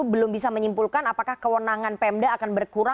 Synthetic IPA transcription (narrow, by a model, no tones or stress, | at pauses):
bəlʊmbis̬aməɲimpulkanapakahkəwənaŋanpɛɛmdəakanbərkuɾa